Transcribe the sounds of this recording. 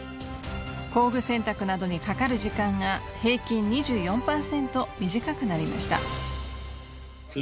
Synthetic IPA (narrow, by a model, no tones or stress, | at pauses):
ko̞ːɡɯ̟sẽ̞nt̪akɯ̟nad̪o̞ɲ̟ikakaɾɯ̟ʑikãŋɡahe̞ːkʲĩɲɲiʑɨːjõ̞mpaːsẽ̞nt̪o̞mʲiʑikakɯ̟naɾʲima̰ɕi̥t̪a̰